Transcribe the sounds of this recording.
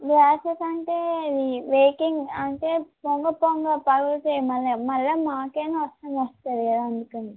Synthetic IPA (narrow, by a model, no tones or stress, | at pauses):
ɡaːsɐsɐɳʈeːɐd̪iʋeːkiŋɡɐɳʈeːpoŋɡɐpoŋɡɐpɐɡɐlʈeːmɐlːɐmɐlːɐmaːkeːnuʋɐstːɐmɐst̪aːd̪iɐaɐnd̪ukɐɳɖi